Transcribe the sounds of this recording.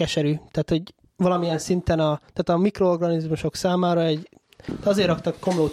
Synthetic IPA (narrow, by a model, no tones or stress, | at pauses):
ɛʃɛɾyːt̪aːt̪ho̞ɟ | ʋvɒlɒmijɛnsint̪ɛnɒt̪aːt̪ɒmikroorɡɒnizmuʃo̞ksaːmaːɾɒɛɟ | ɒzeːɾɒkt̪ɒkːo̞mloːt̪